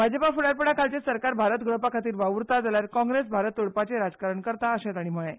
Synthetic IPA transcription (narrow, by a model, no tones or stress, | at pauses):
bʱad͡zəpafuɽaɾpəɽakʰalt͡ɕesəɾkaɾbʱaɾət̪ɡɭəpakʰat̪iːɾʋaʋuɾt̪ad͡zaljaɾkɔ̃ŋɡɾesbʱaɾət̪uɭpat͡seɾad͡zkaɾəɳkəɾt̪aəɕãt̪aɽ̃im̤əɭe